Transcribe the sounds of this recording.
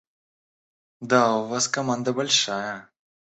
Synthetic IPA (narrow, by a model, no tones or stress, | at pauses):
d̪auvaskɐmand̪ɐbalʲʂajɐ